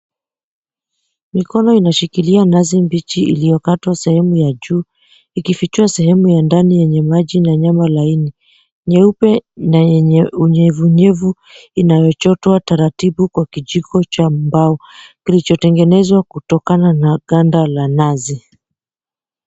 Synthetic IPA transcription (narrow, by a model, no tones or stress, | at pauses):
mikɔnɔinaʃikilianazimbit͡ʃiḭlijɔkatwasɛhɛmujaʄuː | ikifit͡ʃiasɛhɛmujandanijɛɲɛmaʄinaɲamalaini | ɲɛupɛnauɲɛvuɲɛvu | inajɔt͡ʃɔtɔwataɾatiɓukwakiʄikɔt͡ʃambaɔkilit͡ʃɔtɛŋɡɛnɛzwakutɔkananaɠandalanazi